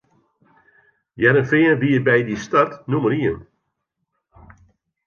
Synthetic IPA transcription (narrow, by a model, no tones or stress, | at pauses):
jɛɾənfɪənbiəbɛjdistartnuməɾiən